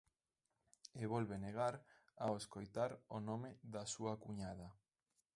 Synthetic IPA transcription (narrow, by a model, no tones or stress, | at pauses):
eβɔlβeneɣaɾ | aoeskojt̪aɾonomeðasuakuɲaða